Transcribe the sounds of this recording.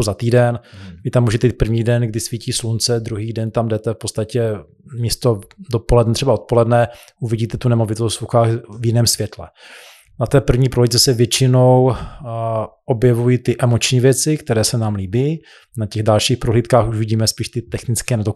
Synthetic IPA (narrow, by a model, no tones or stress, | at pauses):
zat̪iːdɛnvɪt̪amːuːʒɛt̪ɛiːt̪̚pr̩vɲiːdɛnɡdɪsviːciːslunt͡sɛd̪ɾuɦiːdɛnt̪amdɛt̪ɛfpott͡sst̪acɛ | miːst̪odopolɛdnɛt̪r̥ɛbao̞t̪̚po̞lɛdnɛ | ʔuvɪɟiːt̪ɛt̪unɛmo̞vɪt̪ost̪vɾuxaːxvjɪnɛːmsvjɛt̪lɛ | nat̪ɛːpr̩vɲiːpɾolitt͡sɛsɛvjɛt͡ʃɪnow | ʔobjɛvujit̪ɪʔɛmot͡ʃɲiːvjɛt͡sɪkt̪ɛɾɛːsɛnaːmliːbiː | nacɛɣdalʃiːxpɾoɦliːt̪̚kaːxuʒvɪɟiːmɛspiːʃt̪ɪt̪ɛxnɪt͡skɛːnɛt̪o